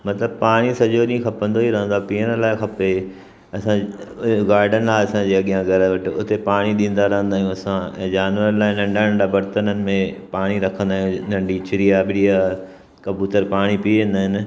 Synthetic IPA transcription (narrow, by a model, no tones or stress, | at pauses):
mɐt̪ləb̚paːɽ̃isɐʄoɗĩxʰɐpə̃nd̪oiɾɐɦə̃nd̪apiːəɽ̃əlaːɪxɐpe | ɐsãɡaːɾɖənlaːɪɐsãd͡ʑiːɐɠijãɡʱɐɾəʋɐʈɪʊt̪epaːɽ̃iɗĩːnd̪aɾɐɦə̃nd̪aːijũɐsãɛ̰̃ːd͡ʑaːnʋəɾlaːɪnɐ̃ɳɖãɳɖabɐɾt̪ənənɪ̆mẽpaːɽ̃iɾɐkʰə̃nd̪aːɦjũnɐ̃ɳɖit͡ɕʊɾiabɪɽia | kɐ̃mbjuːtəɾpaːɽ̃ipĩːnd̪aːɦɪnɪ̆